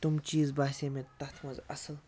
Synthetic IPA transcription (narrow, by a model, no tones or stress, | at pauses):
t̪ʊmt͡ʃiːzbaːsʲemẽt̪ɐt̪ʰmɐzɐsəl